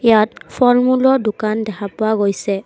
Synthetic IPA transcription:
ijatfʰɔɹmulɔdʊkandɛkʰapʊaɡojsɛ

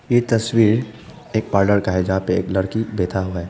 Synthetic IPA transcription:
jet̪ɐswiːɾ | eːk̚paːɾɖəɾkaɦɛd͡ʒaapeeːklɐɽkibeːt̪ʰaɦuɦɛː

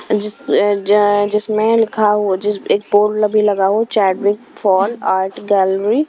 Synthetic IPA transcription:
d͡ʒɪs | d͡ʒɪsmẽlɪkʰaɦod͡ʒɪeːk̚boːʈlɐbʱilɐɡaɦot͡ʃɛːʈʋɪkfɔːlaːɾʈɡɛːlɾi

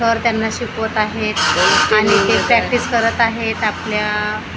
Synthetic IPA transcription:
əɾt̪janːaɕikʋət̪aɦet̪añit̪epɾɛk̚ʈiskəɾət̪aɦet̪aplja

